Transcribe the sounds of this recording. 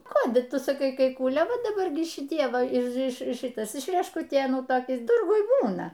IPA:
ˈkoːdʲɪˈtʊ sɐˈkɐɪ kɐɪ ˈkuːlʲeː ˈʋɐ dɐˈbɐr ɡʲɪ ʃʲɪˈtʲiɛ ˈʋɐ ɪʃ ɪʃ ˈʃɨtɐs ɪʃ rʲɛʃkʊˈtʲeːnuː ˈtoːkʲɪs ˈtʊrɡʊj ˈbuːnɐ

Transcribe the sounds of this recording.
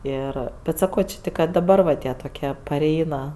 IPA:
ˈɪr bʲɛt sɐˈkoː t͡ʃʲɪ ˈtʲɪk kɐ dɐˈbɐr ʋɐ ˈtʲiɛ toːˈkʲiɛ pɐˈrʲɛɪnɐ

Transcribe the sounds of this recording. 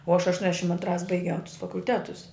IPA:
uɔ ɐʃ ɐʃˈtuɔnʲɛʃʲɪm ɐntˈrɑːs bɐɪˈɡʲɛʊ tʊs fɐkʊlʲˈtʲæːtʊs

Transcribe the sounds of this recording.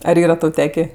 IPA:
ɐr ˈiːrɐ ˈtɐʊ ˈtʲæːkʲeː

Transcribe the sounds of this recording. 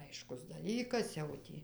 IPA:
ˈɐɪʃkʊs dɐˈlʲiːkɐs jɛʊ ˈtʲiː

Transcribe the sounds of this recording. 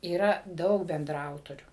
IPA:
iːˈrɐ ˈdɐʊk bʲɛndrɐˈɐʊtoːrʲuː

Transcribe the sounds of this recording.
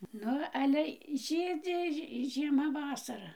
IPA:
ˈnʊ ˈɑːlʲɛ ˈʒʲiːd͡zʲɪ ʒʲɪ ʒʲiɛˈmɐ ˈʋɑːsɐrɐ

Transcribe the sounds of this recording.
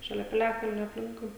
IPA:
ʃɐˈlʲɛ pʲɪˈlʲæːkɐlʲnʲoː ɐpʲˈlʲɪŋkʊɪ

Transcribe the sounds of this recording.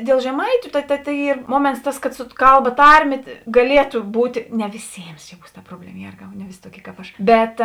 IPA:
dʲeːlˠ ʒʲɛˈmɐɪtʲʊ tɐ tɐ tɐ ˈiːr ˈmuɔmʲɛnts ˈtɐs kɐt sʊ ˈkɐlˠˌbɐ ˈtɐrʲˌmʲeː ɡɐˈlʲiɛtʊ ˈbuːtʲ ˈnʲɛ ʋʲɪˈsʲeːms t͡ʃʲɛ ˈbuːs tɐ ˈproːbʲlʲɛmɐ ˈjeːrɡɐʊ nʲɛ ˈʋʲɪsʲɪ toːˈkʲiɛ kɐp ˈɐʃ ˈbʲɛt

